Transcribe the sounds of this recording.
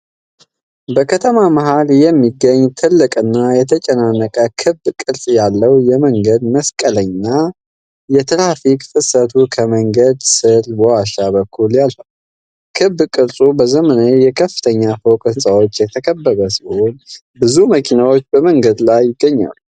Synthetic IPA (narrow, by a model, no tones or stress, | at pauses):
bəkʰət̪ʰəmaməhaljɛmːiɡːəɲːt̪ʰɨlːɨkʼɨnːajɛt̪ʰət͡ʃʼɛnanəkʼəkʰɨbkʼɨɾsʼjalːəwjɛməŋɡəd̪məskʼələɲːnːa | jɛt̪ʰɨɾafikfɨsət̪ʰukʰəməŋɡəd̪sɨlwɔwaʃaβəkʰːuljalfə | kʰɨbːkʼɨɾsʼubəzəmənajɛkʰəfːɨ̥t̪ʰəɲːafowkʼɨnsʼawo̞t͡ʃːjɛt̪ʰəkʰəbːəβəsiho̞n | bɨzuməkʰinawo̞t͡ʃːbəməŋɡəd̪lajːɪɡːəɲːa̰lu